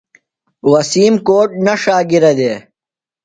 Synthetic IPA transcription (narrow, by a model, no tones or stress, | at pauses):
wɐsiːmkoːʈ̚nɐʂaːɡiɾɐd̪eː